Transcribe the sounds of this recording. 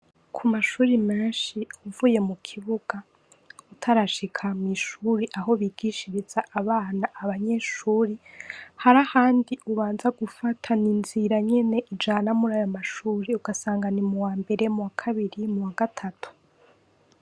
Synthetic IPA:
kʰumaʃuːɾimeːnʃiuvuje̞mukʰiβuɡ̥a | utʰaɾaʃikʰamwiʃuːɾiʔaho̞βiɡiʃiɾiz̥aʔaβaːnaʔːβaɲe̞ʃuːɾihaɾahaːndiʔuβaːnzaɡufatʰaninziɾaɲe̞ne̞ʔid͡ʒaːnamuɾajomaʃuːɾiuɡasaːŋɡanimuwaːmbe̞ɾe̞umuwakʰaβiɾimuwaɡatʰatʰu̥

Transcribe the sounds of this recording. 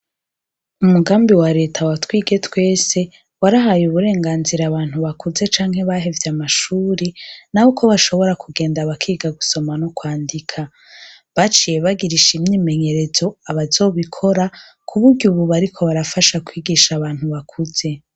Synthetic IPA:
umuɡaːmbiwaɾe̞ːtʰawatwiːɡe̞twe̞ːse̞ | waɾaɦajuβuɾe̞ːŋɡaːnziɾaːβaːn̥huβakuze̞t͡ʃaːŋ̥he̞βaɦe̞vjamaʃuːɾenahokʰo̞βaʃo̞βo̞ɾakʰuɡe̞ːndaβakʰiːɡaɡuso̞manokwaːndikʰa | βat͡ʃije̞βaɡiɾiʃimɲiːme̞ɲe̞ɾe̞zo̞aβazo̞ːβikʰo̞ɾa | kʰuβuɾɟuβuβaɾikʰo̞βaɾafaʃakwiːɡiːʃaβaːn̥huβakʰuze̞

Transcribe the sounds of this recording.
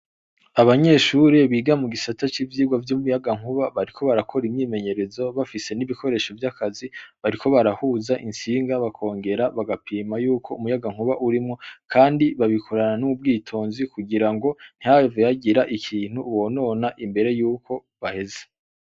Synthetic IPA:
aβaɲe̞ːʃuɾeβiːɡamuɡisatat͡ʃivjiːɡwavjuːmujaɡaŋ̥huβaβaɾikʰo̞βaɾakʰo̞ɾimɲiːme̞ɲe̞ɾe̞zo̞βafise̞niβiko̞ɾe̞ʃo̞vjakaziβaɾikʰo̞βaɾahuːzaʔinsiːŋɡaβakʰo̞ːŋɡe̞ɾaβaɡapʰiːmajuːkʰo̞umujaɡaŋ̥huβaʔuɾimŋo̞kʰaːndiβaβikʰo̞ɾananuub̚ɡiːtʰo̞ːnzikuɡiɾaŋɡo̞n̥iaveaɟiɾaʔikʰiːn̥uwo̞no̞naʔimbe̞ɾe̞juːko̞ | βahe̞ze̥

